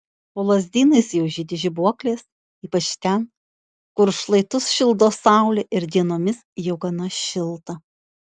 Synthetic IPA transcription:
poːlˠɐzʲd̪ʲiːnɐɪsjɛʊʒʲɪd̪ʲɪʒʲɪbuɔklʲeːs | iːpɐt͡ʃt̪ʲɛn | kʊɾʃlˠɐɪt̪ʊsʃʲɪlˠd̪oːsɑˑʊlʲɪʔɪɾd̪ʲiɛnoːmʲɪsjɛʊɡɐnɐʃʲɪlˠt̪ɐ

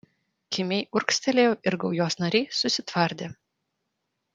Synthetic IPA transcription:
kʲɪmʲɛɪʔʊɾksʲt̪ʲɛlʲejoːʔɪɾɡɐʊjoːsnɐɾʲɛːsʊsʲɪt̪ʋɐɾʲd̪ʲeː

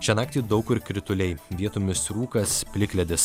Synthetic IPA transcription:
t͡ʃʲɛnɑːk̚t̪ʲiːd̪ɒʊkɪɾkɾʲɪt̪ʊlʲɛɪʋʲiɛt̪ʊmʲɪsɾuːkɐspʲlʲɪkʲlʲɛd̪ʲɪs

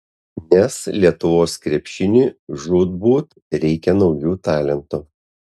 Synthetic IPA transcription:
nʲɛslʲiɛt̪ʊʋoːskɾʲɛpʲʃʲɪnʲiːʒʊd̪̚buːt̪ | ɾʲɛɪkʲɛnɒʊjuːt̪ɑːlʲɛnt̪u

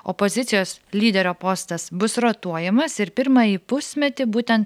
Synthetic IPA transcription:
opozʲɪt̪sʲɪjoːslʲiːd̪ʲɛɾʲoːpost̪ɐsbʊsɾoːt̪uɔjɛmɐsɪɾpʲɪɾmɑjiːpʊsʲmʲɛt̪ʲɪbuːt̪ʲɛnt̪

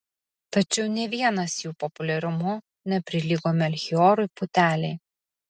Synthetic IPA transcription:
t̪ɐt͡ʃʲɛʊnʲɛʋʲiɛnɐsjuːpɔpʊlʲɛɾʲʊmʊ | nʲɛpʲɾʲɪlʲiɡoːmʲɛɐlʲxʲɪɔɾʊɪpʊt̪ʲæːlʲɛɪ

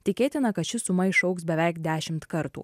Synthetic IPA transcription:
t̪ʲɪkʲeːt̪ʲɪnɐkɐt̪ʃʲɪsʊmɐɪʃɒʊksbʲɛʋʲæˑɪkd̪ʲæːʃʲɪmt̪kɐɾt̪ṵː

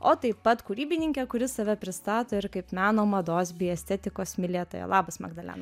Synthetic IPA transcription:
oːt̪ɐɪpːɐt̪kuːɾʲiːbʲɪnʲɪŋʲkʲɛkʊɾʲɪsɐʋʲɛpʲɾʲɪst̪ɑːt̪oːɪɾkɐɪpmʲæːnoːmɐd̪oːsbʲɪɛsʲt̪ʲɛt̪ʲɪkoːsmʲɪlʲeːt̪oːjɛ̰lˠɑːbɐsmɐ̰ɡd̪ɐlʲæ̰ːnɐ

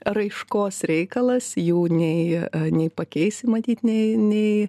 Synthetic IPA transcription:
rɐɪʃkoːsɾʲɛɪkɐlˠɐsjuːnʲɛɪnʲɛɪpɐkʲɛɪsʲɪmɐt̪ʲiːt̪nʲɛɪnʲɛɪ

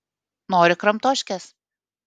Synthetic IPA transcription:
noːɾʲɪkɾɐmt̪oːʃʲkʲɛs

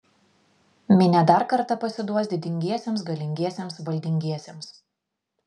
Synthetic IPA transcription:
mʲɪnʲɛd̪ɐˑɾkɐɾt̪ɐpɐsʲɪd̪uɔsʲd̪ʲɪd̪ʲɪŋʲɡʲiɛsʲeːmsɡɐlʲɪŋʲɡʲiɛsʲemsʋɐlʲd̪ʲɪŋʲɡʲiɛsʲems

